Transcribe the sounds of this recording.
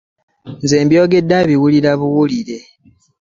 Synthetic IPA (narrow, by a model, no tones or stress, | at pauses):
nze̞ːmbjo̞ːɡe̞dːaβiwuliɾaβuwuliɾe̞